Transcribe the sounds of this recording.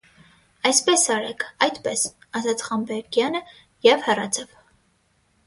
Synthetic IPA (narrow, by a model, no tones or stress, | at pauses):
ɑjspɛsɑɾɛkʰɑjd̪pɛsɑzɑt͡sʰχɑmbɛɾɡjɑnə | jɛvhɛrɑt͡sʰɑv